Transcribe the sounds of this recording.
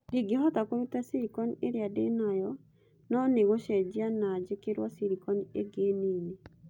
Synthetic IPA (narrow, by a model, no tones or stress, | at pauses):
diɡeɦɔtakoɾutasiɾikɔneɾeadenajɔ | nɔneɣoɕɛd͡ʑianad͡ʑekeɾwasiɾikɔnḛɡeniːne